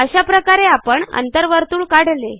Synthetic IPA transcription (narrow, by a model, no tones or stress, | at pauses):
əɕapɾəkaɾeapəɳə̰nt̪əɾʋəɾt̪uːɭkaɽ̤le